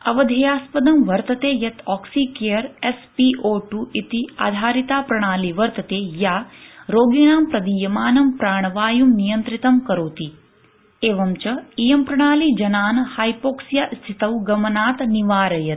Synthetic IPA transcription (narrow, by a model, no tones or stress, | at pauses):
ɐʋɐd̪ʱɐjaːspɐd̪ɐmʋɐɾt̪ɐt̪eːjɐt̪ɔːksiːkejɐɾespiʔoːʈuːʔit̪ia̰ːd̪ʱaːɾit̪aːpɾɐɽ̃aːliʋɐɾt̪ɐt̪eːjaːɾoːɡiɳ̃aːmpɾɐd̪ijɐmaːnɐmpɾaːɳ̃ɐʋaːjumnijɐnt̪ɾit̪ɐmkɐɾoːt̪i | eːʋɐmt͡ʃɐijɐmpɾɐɽ̃aːlid͡ʒɐnaːnɐhaːjpoːksjast̪ʰit̪ɐwɡɐmɐnaːt̪niʋaːɾɐjɐt̪